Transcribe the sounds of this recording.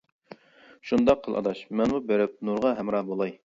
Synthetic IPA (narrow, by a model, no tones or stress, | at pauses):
ʃund̪ɑqʰːəlˠʔɑ̰d̪ɑʃmɛnmubeɾɪp̚nuɾʁɑɦɛmɾɑbolˠɑj